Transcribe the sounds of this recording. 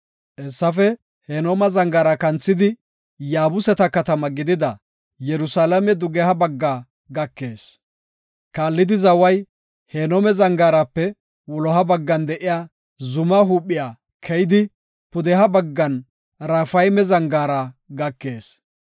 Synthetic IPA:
ʔɛsːɐfɛ | heːnomɐzɐŋɡaːɾɐkɐnt͡sːɪd̪ɪ | jaːbʊsɛt̪ɐkɐt̪ɐmɐɡɪd̪ɪd̪ɐ | jɛɾʊsaːlɐmɛd̪ʊɡɛhɐbɐɡːaː | ɡɐkːe̞ːs | kaːlːɪd̪ɪzɐwɐj | heːnomɛzɐŋɡaːɾapːɛ | wɔlɔɦɐbɐɡːɐnd̪ɛʔɪjaː | zʊmɐɦuːpʼːɪjaː | kʰɛjd̪ɪ | pʊd̪ɛɦɐbɐɡːɐn | ɾɐfɐjmɛzɐŋɡaːɾɐɡɐkːe̞ːs

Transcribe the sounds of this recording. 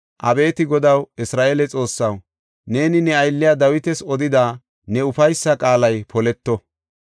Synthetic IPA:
ʔɐbe̞ːt̪ɪɡɔd̪ɐwɪsɾaːʔelɛt͡sʼo̞ːsːɐw | ne̞ːnɪnɛɐjlːɪjad̪ɐwɪt̪ɛsɔd̪ɪd̪aː | nɛʊfɐjsːɐkʼaːlɐjpʰɔlɛt̪ːɔ

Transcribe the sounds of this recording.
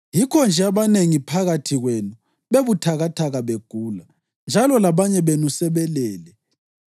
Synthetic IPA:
jikʰɔnd͡ʒʱɛaβaneŋipʰaɣatʰiɣwenu | βeβutʰaɣatʰaɣaβeɡ̥ʱuːla | nd͡ʒʱalɔlaβaɲɛβenusɛβɛlɛːlɛ

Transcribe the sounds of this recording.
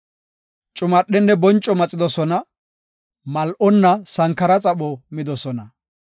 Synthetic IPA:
t͡ʃʼʊmɐɗːɛnːɛbɔnt͡ʃʼːɔmɐt͡sʼːɪd̪ɔsɔnɐ | mɐlʔɔnːɐsɐŋkːɐɾɐt͡sʼɐɓɔmɪd̪ɔsɔnɐ

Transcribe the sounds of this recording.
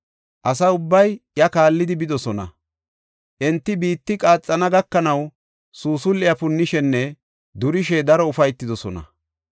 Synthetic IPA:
ʔɐs̬ɐʊbːɐjjɐkaːlːɪd̪ɪbɪd̪ɔsɔnɐ̰ | ʔɪnt̪ːɪbiːt̪ːɪkʼaːt͡sʼːɐnɐɡɐkːɐnɐw | suːsʊlːɪjɐpʊnːɪʃɛnːɛ | d̪ʊɾɪʃɛd̪ɐɾɔʊfɐjt̪ːɪd̪ɔsɔnɐ̰

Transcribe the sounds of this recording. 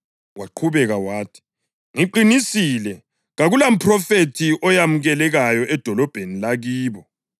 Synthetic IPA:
waǃʰuβɛɣawaːtʰi̥ | ŋiǃinisilɛ | ɣaɣulam̩pʰrɔfetʰiʔɔjamuɣɛlɛɣajɔʔɛd̥ʱɔlɔb̥ʱenilaɣiːβɔ

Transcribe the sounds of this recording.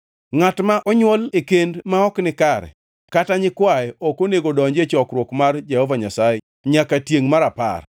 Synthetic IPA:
ŋatmaʔɔɲwolekendmaɔknɪkaɾɛ̰ | kataɲɪkwajɛɔkoneɡodɔɲd͡ʒet͡ʃɔkɾwokmard͡ʒehovaɲasajɛ | ɲakatjeŋmaɾapa̰r

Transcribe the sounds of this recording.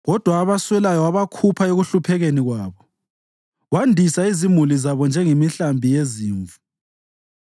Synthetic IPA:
ɣɔd̥ʱwaːβaswɛlajɔaβakʰupʰaeɣuɬupʰɛɣeniɣwaːβɔ | wandʱisaizimulizaβɔnd͡ʒʱɛŋemiɬambʱijeziːɱvu̥

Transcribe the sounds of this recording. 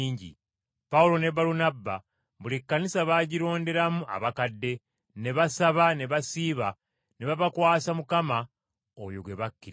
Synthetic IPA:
iːɲɟḭ | paulo̞ne̞baɾunabːa | βulikːanisaβaːɟiɾo̞ːnde̞ɾamua̰βakadːe̞ | ne̞βasaβane̞βasiːβa | neβaβakwaːsamukama | o̰jo̰ɡwe̞βakːiɾ

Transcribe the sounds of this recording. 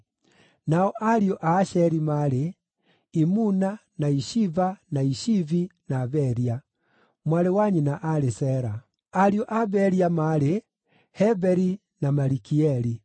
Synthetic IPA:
naɔʔaɾiɔʔaʃɛɾimaɾe | imunanaiʃivanaiʃivinaːβɛɾia | mwaɾewaɲinaʔaɾesɛɾa | aɾiɔʔaβɛɾiamaɾe | hɛbɛɾi | namaɾikiɛɾi

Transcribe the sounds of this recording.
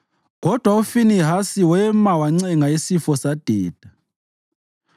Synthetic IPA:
ɣɔd̥ʱwaufiniɦasiwɛmawaŋ͡ǀɛŋaisifɔsad̥ʱiːd̥ʱa

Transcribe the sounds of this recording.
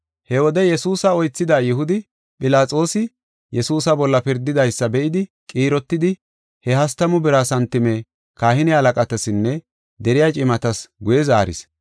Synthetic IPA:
hɛwɔd̪ɛjɛsuːsɐɔjt͡sːɪd̪aːjɪhʊd̪ɪ | pʼɪlaːt͡sʼo̞ːsɪ | jɛsuːsɐbɔlːɐpɪɾd̪ɪd̪ɐjsːɐbɛʔɪd̪ɪkʼiːɾɔt̪ːɪd̪ɪ | hɛhɐst̪ɐmʊbɪɾaːsɐnt̪ːɪmɛ | kaːhɪnɪɐlɐkʼɐt̪ɐsɪnːɛ | d̪ɛɾɪjat͡ʃʼɪmɐt̪ɐsɡʊjɛza̰ːɾɪ̰s

